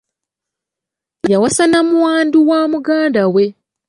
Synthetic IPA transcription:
jawasanamuwaːnduwaːmuɡaːndawe̞

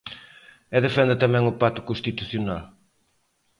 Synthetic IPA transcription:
ɛðefɛ̃nd̪ɪt̪ɐmɛ̃ŋʊpat̪ʊ̥kõst̪it̪uθjonal

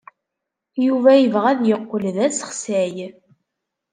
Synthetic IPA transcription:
juvæjəvʁæðjəqːəlðæsə̥χsæj

